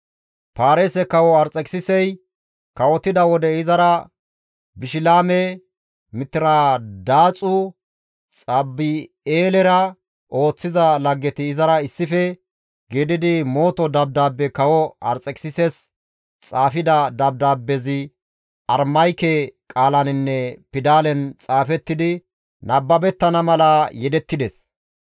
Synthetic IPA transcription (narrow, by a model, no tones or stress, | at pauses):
paːɾesɛkɐwɔɐɾt͡sʼɛksɪsɛj | kɐwɔt̪ːɪd̪ɐwɔd̪ɛɪzɐɾɐ | bɪʃɪlaːmɛ | mɪt̪ːɪɾɐd̪aːt͡sʼʊ | t͡sʼɐbːɪ | eːlɛɾɐ | ʔo̞ːt͡sːɪzɐlɐɡːɛt̪ɪːzɐɾɐɪsːɪfɛ | ɡeːd̪ɪd̪ɪmo̞ːt̪ɔd̪ɐb̚d̪aːbːɛkɐwɔɐ̰ɾt͡sʼɛkʼsɪsɛs | t͡sʼaːfɪd̪ɐd̪ɐb̚d̪aːbːɛzɪ | ɐɾmɐjkɛkʼaːlɐnɪnːɛpɪd̪aːlɛnt͡sʼaːfɛt̪ːɪd̪ɪ | nʔɐbːɐbɛt̪ːɐnɐmɐlɐjɛd̪ɛt̪ːɪd̪ɛs